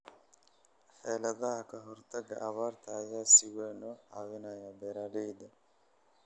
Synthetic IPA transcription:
ħɛːlɐðɐɦɐkʰɐɦɔrt̪ʰɐɡɐʔɐβaːrt̪ʰɐːjaːsɪwɛːnɔʔawɪnaːjɐbɛɾaːlɛjd̪ɐ

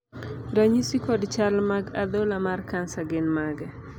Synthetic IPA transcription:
ɾaɲisikɔdt͡ʃalmaɡad̪olamarkansaɡɪnmaɡɛ

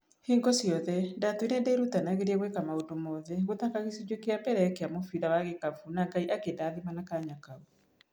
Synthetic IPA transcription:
heːŋɡɔsjɔðɛdatoinedeiɾutanaɣeɾiɛɣwekamaondomɔːðɛɣot̪akaɣisid͡ʑwekeapɛɾɛɛkeamofiðawaɣekafunaɡaiʔakedaðimanakaɲakau

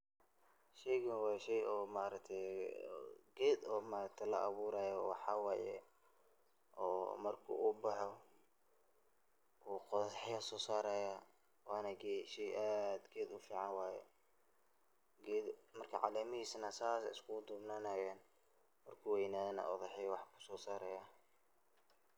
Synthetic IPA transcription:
ʃɛjɣɐnwɑːjʃɛjɔːmaːɾɐk̚t̪ʰɛj | ɡɛːd̪ɔːmaːɾɐkt̪ʰɛlɐʔɑβuːɾaːjɔwɑħɑwaːjɛ̰ | ʔɔːmɐrkʰṵʔuːbɑħɔ | uːqɔðɐħɪjɐsɔːsaːɾaːja | wɑːnɐɡɛʃɛjʔaːd̪ɡɛːd̪ʊfiːʕɑnwaːjɛ̰ | ɡɛd̪mɐrkʰɐʕɑ̰lɛːmɪhiːsnɐsaːsɛ̰ɪskʰʊd̪ʊbnaːnaːjɛːn | mɐrkʰuːwɛjɪnaːðɐnɐ̰ʔɔðɛħɪjɐwɑħkʰʊ̥sɔːsaːɾɛja

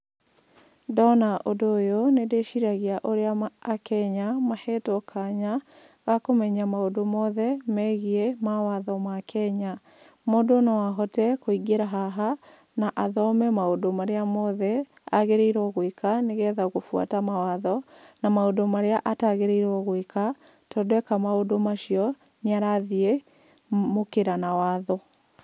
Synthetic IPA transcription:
dɔnaʔodojonedeʃiɾaɣiaʔoɾeaːkɛɲamahɛtokʰaɲa | ɣakomɛɲamaodomɔðɛmɛɣiemawaðɔmakʰɛɲa | modonawaɦɔtɛkoiɡeɾaɦaɦa | naʔaðɔmɛmaodomaɾeamɔðɛ | aɣeɾeiɾɔɣwekaneɣɛðaɣofwa̰tamawaðɔnamaodomaɾeaʔataɣeɾeiɾɔɣweka | tɔdwɛkamaodomaʃiɔ | neaɾaðie | mokeɾanawaːðɔ

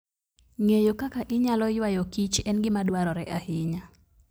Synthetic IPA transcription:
ŋejokakaʔɪɲalɔjwajokit͡ʃɛnɡɪmadwaɾɔɾɛʔahɪɲa

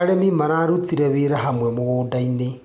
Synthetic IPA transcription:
ɾemimaɾaɾut̪iɾɛβeɾaɦamwɛmoɣoːdaine

